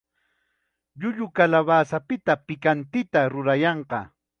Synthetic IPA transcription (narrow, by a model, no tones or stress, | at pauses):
ʎʊʎʊkalaβaːsapɪt̪apɪkant̪ɪt̪aɾʊɾajɑɴqɑ